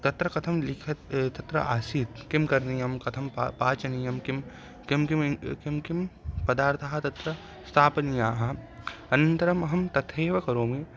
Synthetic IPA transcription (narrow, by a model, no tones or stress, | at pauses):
t̪ɐt̪ɾɐkɐt̪ʰɐmlɪkʰɐt̪t̪ɐt̪ɾɐ̰ʔaːsiːt̪̚kimkɐɾnijɐmkɐt̪ʰɐmpaːt͡ʃɐnijɐmkim | kimkimkimkɪmpɐd̪aːɾt̪ʰɐɦɐt̪ɐt̪ɾɐ | st̪ʰaːpnijaːɦɐɐnɐnt̪ɐɾɐmɐɦɐmt̪ɐt̪ʰeːʋɐkɐɾoːme